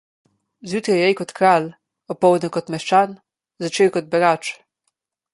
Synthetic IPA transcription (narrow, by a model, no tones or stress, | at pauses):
zjuːt̪ɾijɛjkɔt̪kɾaːl | ɔpːɔwd̪nɔkɔt̪mɛʃt͡ʃan | zat͡ʃewkɔd̪̚bɛɡat͡ʃ